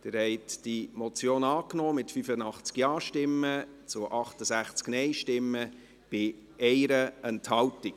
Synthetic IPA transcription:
d̥ɪɾhɛɪtd̥imɔt͡sjoːnɑːknɔːmɪtfyfənɑχt͡skjɑːʃtɪmːə | t͡sʊʔɑχtəsæχt͡sknɛɪʃtɪmːə | b̥ɪ | ɛɪɾəɛnthɑltɪk̚

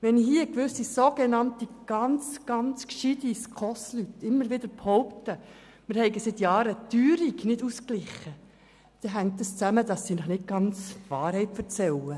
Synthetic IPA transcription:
ʋɛnhiəkʋʏsisoɡ̥enɑntiɡ̥ɑnt͡sɡ̥ɑnt͡skʃidiskʰɔslytɪmːəɾʋɪdəɾphɔʊptə | mɪɾhɛɪɡəsɪt̪jɑːɾətyːɾiɡnɪduːsklɪχə | d̥ɛɦæŋktəst͡sæmədɑsːinəχnɪt̚ɡ̥ɑnt͡sʋɑːɾhɛɪtfəɾt͡sɛlə

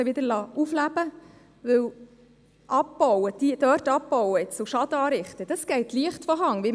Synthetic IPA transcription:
əʋɪd̪əɾlɑːuflæb̥ə | ʋɵw | ʔɑpːɔwəd̥id̥œɾtɑpːɔwəɪt͡ssoʃɑd̥̪əɑːɾɪχt̪əd̥ɑsɡ̥ɛɪtliəχtfɔɦɑŋʋi

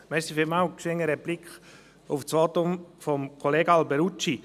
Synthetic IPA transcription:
mɛsifɪmawkʃɪŋəɾɛb̥lɪkχ | ʊft͡svɑːt̪ʊmfɔmkʰoleːɡəɑlbɛɾut͡ʃi

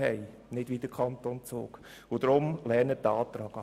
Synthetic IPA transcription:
ɛɪ | nɪdʋid̥əkʰɑnt̪ont͡sʊ̰ːk | ʊd̪ɾʊmlɛɾnətɑːt̪ɾɑːɡ̥ɑ

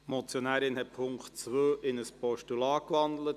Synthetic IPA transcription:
mɔt͡sjonæːɾɪnɦɛt̚pʰʊŋktt͡sʋøːʔɪnəspɔʃtulɑːkʋɑnd̪lət

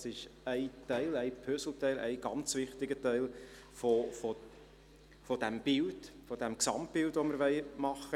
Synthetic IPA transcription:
sɪʃæɪtæɪlæɪpʰøsl̩t̪æɪlʔæ̰ɪɡ̥ɑnt͡sʋɪχt̪ɪɡətæɪl | fofo | fɔd̥æmb̥ɪld̥fɔd̥æmksɑmtb̥ɪldʋɔməɾʋɛɪmɑχːə

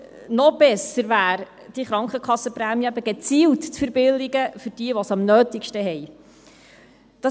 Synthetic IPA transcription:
nɔb̥ɛsəɾvæːɾ | d̥iχɾɑŋkχəkχɑsəpɾæːmjəɛbəɡɛt͡siːltt͡sfəɾbɪldiɡəfʏɾd̥iəʋɔsɑmnœːtɪkʃtəɦɛj | d̥ɑ

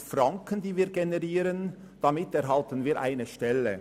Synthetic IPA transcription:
fʁaŋkəndiːviːɡenɛʁiːɾən | d̥amɪtɛʁɦaltənviːɾʔa̰ɪnəʃtɛlə

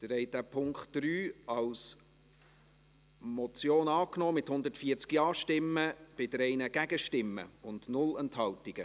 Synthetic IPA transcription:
d̥əɾɛɪd̥æpʰʊŋkχtdɾyːɑws | mɔt͡sjoːnɑːknɔːmɪthʊnd̪ətfiːəɾt͡skjɑːʃtɪmːəb̥ɪd̥̪əɾɛɪnəɡ̥æɡəʃtɪmːə̰ʊndnʊlɛnthɑltiɡ̥ə

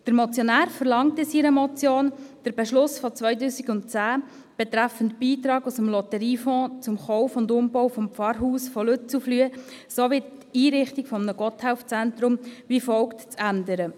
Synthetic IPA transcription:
d̥əɾmɔt͡sjɔnæːɾfəɾlɑŋtɪsiːɾəmɔt͡sjoːnd̥əɾb̥ɛʃlʊsfɔt͡svœjtuːsikʊnt̚t͡sæː | b̥ɛt̪ɾæfəntb̥iːt̪ɾɑːɡusəmlɔtəɾiːfɔ̃ːt͡sʊmχɔʊfʊndʊmb̥ɔwfɔmfɑɾɦuːsfɔlʉt͡suflyəsoʋittiːɾɪχtikfɔmənəɡ̥ɔthæʊft͡sænt̪ɾʊmvifɔʊktt͡sændəɾə

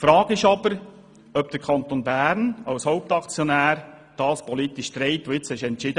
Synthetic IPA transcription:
fɾɑːɡ̥ɪʃɑbəɾ | œbd̥əɾkʰɑnt̪onbæːɾnɑwshoʊp̚t̪ɑkt͡sjonæːɾ | d̥ɑːspʰɔlit̪ɪʃt̪ɾeɪtoɪt͡shɛʃɛntt͡ʃɪd̥ə

